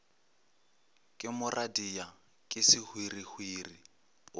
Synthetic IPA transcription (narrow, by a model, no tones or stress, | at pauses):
kʼɪmʊrʔadija | kʼɪsɪhwirihwiri